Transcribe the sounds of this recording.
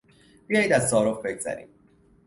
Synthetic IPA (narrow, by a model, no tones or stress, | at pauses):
b̥ijɒːjiːd̪æzt̪ɒːɾofbe̞ɡzæ̰ɾḭːd̪